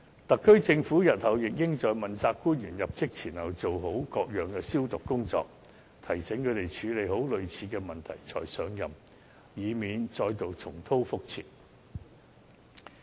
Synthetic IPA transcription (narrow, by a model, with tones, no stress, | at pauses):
t̪ɐ˨kʰːɵ˥ɥt͡sɪ˧ŋfuː˨˥jɐ˨t̚hɐ˨˩wjɪ˨k̚jɪ˥ŋt͡sɔː˨jmɐ˨nt͡saː˧kːuː˥njyː˨˩njɐ˨p̚t͡sɪ˥k̚t͡sʰiː˨˩nhɐ˨˩wt͡so˨wɦo˨˥wkɔː˧k̚jœː˨˩ŋkɛː˧siː˥wt̪ʊ˨kkːʊ˥ŋt͡sɔ̰ː˧k̚ | t̪ʰɐ˨˩jsɛ˨˥ŋkʰɵ˨˧t̪e˨jt͡ʃʰyː˨˧le˨˧jɦo˨˥wlɵ˨ɥt͡sʰiː˨˧kɛː˧mɐ˨nt̪ʰɐ̰˨˩jt͡sʰɔ̰ː˨˩jsœː˨˧ŋjɐ˨m | jiː˨˧miː˨˧nt͡sɔː˧jt̪o˨wt͡sʰʊ˨˩ŋt̪ʰo˥wfʊ˥k̚t͡sʰḭː˨˩n